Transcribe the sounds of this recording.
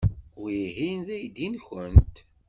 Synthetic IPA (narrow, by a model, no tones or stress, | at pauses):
iɦinðæjd̪inçənt̪